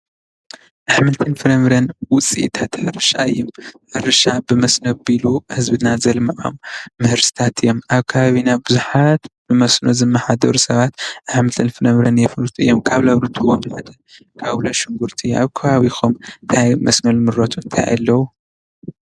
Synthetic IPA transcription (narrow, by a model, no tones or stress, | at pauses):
ʔaħmɨlt̪ʰɨnfɨɾɐmɾɐnwʊt͡sʼit̪ʰat̪ħɨɾɨʃaɨjːomħɨɾɨʃabɨmɐsnobiluhɨzbɨnazɐlmaʕo̰mːɨhɨɾsɨ̥t̪ʰat̪ʰɨjːomʔaβkʰaβaβinaβbɨzuħat̪bɨmɐsnozɨmːɐħad̪ɐɾusɐβat̪ʔaħmɨlt̪ʰɨnfɨlɐmɾɐnjɛfɨlt̪ʰuʔɨ̰jːomkʰaβlɐβɾɨt̪ʰuwomħad̪ɐ | kʰaβwloʃɨŋɡuɾt̪ʰia̰βkʰɐβaβixomnt̪ʰajmɐsmɐlmɨɾot̪ʰuɨnt̪ʰa̰jʔa̰lːɐwu